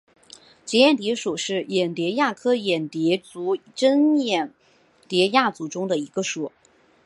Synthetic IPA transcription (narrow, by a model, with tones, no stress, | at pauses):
t͡ɕjɛ˧˥jɛ˨˩nt̪jɛ˧˥ʂu˨˩ʂɻ̩˥˩jɛ˨˩nt̪jɛ˧˥ja˥˩kʰɤ˥jɛ˨˩nt̪jɛ˧˥t͡su˧˥ʈ͡ʂə˥njɛ˨˩n | t̪jɛ˧˥ja˥˩t͡su˧˥ʈ͡ʂʊ˥ŋd̪ə˨i˧˥ɡə˧ʂɔ˨˩˦